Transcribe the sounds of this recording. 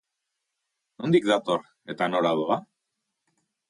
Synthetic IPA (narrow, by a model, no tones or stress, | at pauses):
nond̪ikd̪at̪o̞r | e̞t̪ano̞laðoa